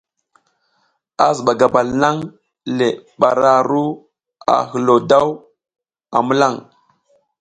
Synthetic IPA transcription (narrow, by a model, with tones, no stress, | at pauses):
a̰˨zə˨ɓa˨ɡa˨ba˨lna˦ŋ | le˨ɓa˨ɾa˨ɾu˦ | a̰˨hə˨lo˨da˦w | a˨mə˦la˦˨ŋ